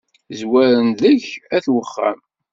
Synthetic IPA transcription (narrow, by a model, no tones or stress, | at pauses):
zwæɾənðəçæθwəχːæ̰m